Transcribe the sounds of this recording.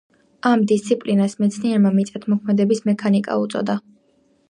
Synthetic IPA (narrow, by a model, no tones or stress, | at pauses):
amd̪ist̪sʰipʼlinasmɛt̪sʰniɛɾmamit̪sʼɛt̪ʰmɔkʰmɛd̪ɛbismɛkʰanikʼa̰ut̪sʼɔ̰d̪a